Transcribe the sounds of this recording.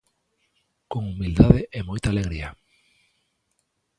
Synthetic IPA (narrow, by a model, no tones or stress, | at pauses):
koŋumild̪aðeʔemojt̪aːleɣɾia